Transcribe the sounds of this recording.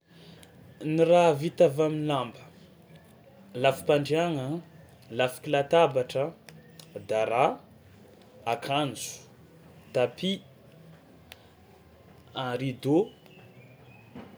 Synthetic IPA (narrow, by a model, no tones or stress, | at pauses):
niɾavit̪avaminlambə̥ | lafi̥paɳɖ͡ʐaŋə | lafi̥kilat̪abaʈ͡ʂə | d̪aɾa | akʰand͡zu̥ | t̪api | aɾid̪o